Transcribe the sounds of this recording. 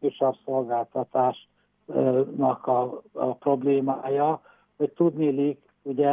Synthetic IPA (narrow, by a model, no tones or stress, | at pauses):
yʃɒrso̞lɡaːlt̪ɒt̪aːʃ | nɒkɒ̰pro̞bleːmaːjɒ | hoct̪ud̪nilik | uɟɛ